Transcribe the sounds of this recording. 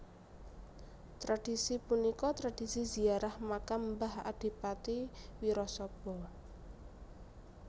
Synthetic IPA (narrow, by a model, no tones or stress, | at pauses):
t̪ɾad̥i̤sipunikɔt̪ɾad̥isizi̤aɾahmakambaha̰d̥i̤pat̪iwiɾɔsɔb̥ɔ